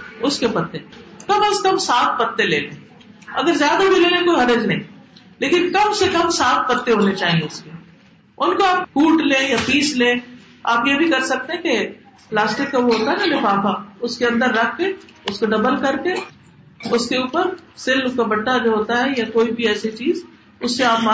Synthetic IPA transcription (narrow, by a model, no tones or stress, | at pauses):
ʊskepɐt̪ːekɐməskɐmsaːt̪̚pɐt̪ːelḛːlẽ | ɐ̰ɡəɾzjaːd̪abʱileːlẽkoːiɦɐɾɪznɐɦĩ | leːkɪnkɐmsekɐmsaːt̪̚pɐt̪ːeɦoːnet͡ʃaːɦĩẽʊske | ʊnkoaːphuːʈlẽːjapiːslẽː | a̰ːpjebʱikɐɾsɐk̚t̪eɦɛ̃ke | plaːsʈɪkːabʱoɦoːt̪aɦɛnalefaːfaʊskeɐ̃nd̪əɾːɐkʰːe | ʊskoɖɐbəlkɐɾke | ʊskeuːpəɾsɪlkabɐʈːad͡ʒʱiɦoːt̪aɦɛjakoːibʱiɛːset͡ʃiːz | ʊsːeaːpmː